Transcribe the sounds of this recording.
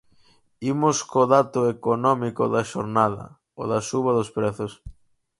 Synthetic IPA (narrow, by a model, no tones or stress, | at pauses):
imʊskoðat̪ʊekonɔmikoðɐʃoɾnaðɐ̰ | oðɐsuβɐðospɾɛθʊs